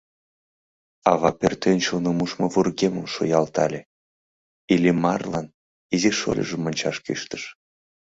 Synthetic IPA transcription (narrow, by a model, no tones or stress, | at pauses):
ɑβɑpʲert̪enʲt͡ɕonomuʃmovurɡemə̆mʃojɑlt̪ɑlʲe | ilʲimɑrlˠɑn | iziʃo̰lʲə̰ʒə̆monʲt͡ɕɑʃkḭʃt̪ə̥ʃ